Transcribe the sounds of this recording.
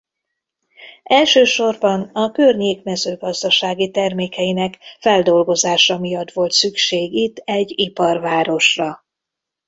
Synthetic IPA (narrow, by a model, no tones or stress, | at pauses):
ɛlʃøːʃo̞rbɒnɒkørɲeːkmɛzøːɡɒzd̪ɒʃaːɡit̪ɛrmeːkɛinɛkfɛld̪o̞lɡo̞zaːʃɒmijɒt̪ːʋo̞lt̪sykʃeːɡit̪ːɛɟːipɒrvaːɾo̞ʃrɒ